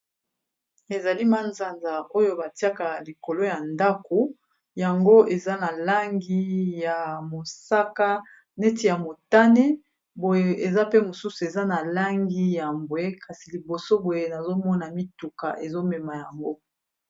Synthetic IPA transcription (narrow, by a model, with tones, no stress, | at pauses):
e˨za˨li˦ma˦nza˨nza˨ʔo˦jo˦ba˨ti˦a˦ka˨li˨ko˨lo˦ja˨nda˦ko˨ | ja˨ŋɡo˦e˨za˦na˨la˦ŋɡi˦ja˨mo˨sa˦ka˦ | ne˦ti˦˨ja˨mo˨ta˦ne˦ | bo˨je˨e˨za˦pe˦mo˨su˦su˨e˨za˦na˨la˦ŋɡi˦ja˨mbwe˦kʰa˨si˨li˨bo˨so˦bo˨je˦na˨zo˦mɔ˦na˨mi˦tu˨ka̰˨ʔe˨zo˦mɛ˨ma˨ja˨ŋɡo˦